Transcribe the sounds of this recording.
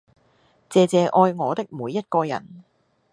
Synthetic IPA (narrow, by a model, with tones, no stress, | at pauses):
t͡sɛː˨˧t͡sɛː˨˧ʔɔː˧jŋɔː˨˧t̪ɪ˥k̚muː˨˧jːɐ˥t̚kɔː˧jɐ̰˨˩n